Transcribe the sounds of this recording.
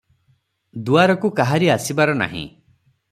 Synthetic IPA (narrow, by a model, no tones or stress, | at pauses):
d̪uaɾɔkukaɦaɾiasibaɾɔna̰ɦḭ̃